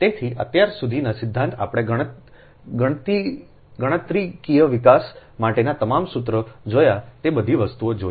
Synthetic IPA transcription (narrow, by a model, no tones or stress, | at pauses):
t̪et̪ʰiʔə̰t̪jaɾsud̪ʱinasɪd̪ʱːãnt̪a̰pɽ̃eɡə̃ | ɡəɽ̃ət̪i | ɡəɽ̃ət̪ɾikijəʋikasmaʈenat̪əmamsut̪ɾəd͡ʒojat̪ebəd̪ʱiʋəst̪uod͡ʒo